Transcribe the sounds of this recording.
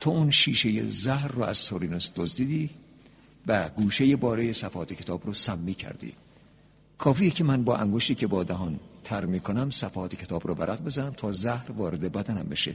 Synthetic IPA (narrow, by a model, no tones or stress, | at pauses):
t̪ʰoːunʃiːʃejḛzæhɾːɔæ̰z̥soɾinosd̪̥ozd̪iːd̪iː | væɡuːʃejebɒːɾeːjesæfhɒːt̪ʰecʰe̞t̪ʰɒːbɾɔːsæmːiːcʰæ̰ɾd̪ḭː | kʰɒːfiːjicʰe̞mænbɒːʔæŋɡoʃt̪iːcʰebɒːd̪æɦɒnt̪ʰæɾmiːkʰonæmsæfhɒːt̪ʰecʰe̞t̪ʰɒːbɾɔːvæɾʔæɣbe̞zænæmt̪ʰɒːzæhɾvɒːɾe̞d̪ebæd̪ænæ̰mbe̞ʃḛ